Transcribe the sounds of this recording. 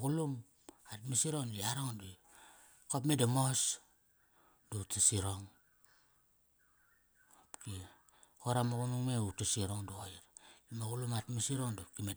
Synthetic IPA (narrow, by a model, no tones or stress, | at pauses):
kulum | atmisiɾondiaɾoŋdi | kopmedamos | dutasiɾoŋ | apki | koɾamoɣunuŋmeutasiɾoŋduoiɾimaɡulumatmisiɾoŋdop̚kime